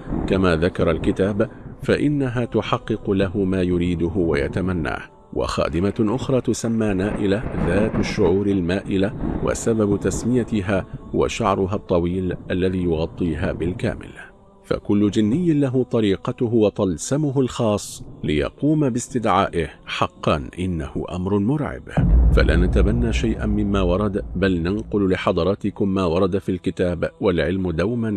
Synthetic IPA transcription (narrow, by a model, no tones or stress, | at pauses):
kamaːðakɑɾˤɑlkɪt̪aːbfaʔɪnːaɦaːt̪ʊħɑqːɨqʊlaɦʊmaːjʊɾiːd̪ʊɦʊwaja̰t̪amanːa̰ːh | wa̰xa̰ːd̪ɪmaʔʊxɾˤɑːt̪ʊsamːaːnaːʔɪlaðaːt̪aʃːʊʕuːɾalmaːʔɪlawa̰sababt̪asmɪjat̪ɪɦaːhʊwa̰ʃaʕɾˤʊɦat̪ˤːɑwiːlʔalːaðiːjʊɣɑt̪ˤːiːɦaːbɪlka̰ːmɪ̰l | fa̰kʊlːʊd͡ʒɪnːɪjːɪnlaɦʊt̪ˤɑɾiːqɑt̪ʊɦʊwɑt̪ˤɑlsamʊɦʊlxɑːsˤːlɪjɑ̰quːmabɪst̪ɪd̪ʕaːʔɪhħɑqːɑnʔɪnːa̰hʊ̰ʔa̰mɾʊmʊɾʕɪ̰bfa̰lʔa̰ːnat̪abanːaːʃajʔa̰nmɪmːaːwɑɾˤɑd̪balnanqʊllɪħɑd̪ˤɑɾˤɑːt̪ɪkʊmːaːwɑɾˤɑd̪afiːlkɪt̪aːbwalʕɪlmd̪awman